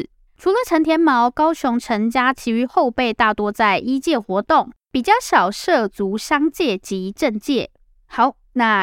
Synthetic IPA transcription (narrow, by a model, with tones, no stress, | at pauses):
ʈ͡ʂʰu˨˧˥lə˨ʈ͡ʂʰə˧˥nt̪ʰjɛ˥nmɑ˧˥ʊkɑ˥ʊɕʊ˧˦ŋʈ͡ʂʰə˧˥ŋt͡ɕja˥t͡ɕʰi˧˥y˧˥xo˥˧ʊpe˥˧ɪt̪a˥˨t̪wɔ˥t͡sa˥˩ɪʔi˥t͡ɕjɛ˥˩xwɔ˧˥t̪ʊ˥˨˩ŋpi˨˩t͡ɕjɑ˥˩ʊɕɑ˨˩ʊʂɤ˥˩t͡su˨˧˥ɕɑ˥ŋt͡ɕjɛ˥˩t͡ɕi˨˦˥ʈ͡ʂə˥˧ŋt͡ɕjɛ˥˩ | xɑ˧˥ʊ | na˥˩